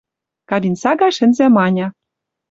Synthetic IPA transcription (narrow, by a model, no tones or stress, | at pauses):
kɑβʲinsɑɡɑʃɘ̆nzæmɑnʲɑ